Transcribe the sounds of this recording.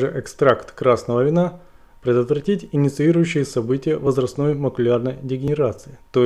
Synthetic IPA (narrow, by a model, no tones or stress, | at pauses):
ʐɨʔɛkst̪ɾakt̪kɾasnəvəvʲɪna | pɾʲɪd̪ət̪vɾɐtʲitʲɪnʲɪt̪sɨiɾʊjʉɕːɪjəsɐbɨtʲɪjəvəzɾɐst̪no̞jməkʊlʲarnəjdʲɪɡʲɪnʲɪɾat̪sɨɪt̪o